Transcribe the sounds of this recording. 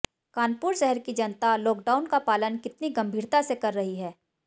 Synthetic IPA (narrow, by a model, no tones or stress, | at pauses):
kaːnpuːɾʃɛɦəɾkid͡ʒɐnt̪alɔːkɖaːʊnkapaːlənkɪt̪niɡɐ̃mbʱiːɾt̪asekɐɾːɐɦiɦɛː